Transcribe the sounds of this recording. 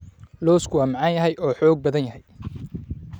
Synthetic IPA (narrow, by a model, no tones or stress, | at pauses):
lɔːskʰʊwaːmɑʕɑnjɐɦɛjʔɔːħɔːɡ̚bɐðɐnjɐɦɛj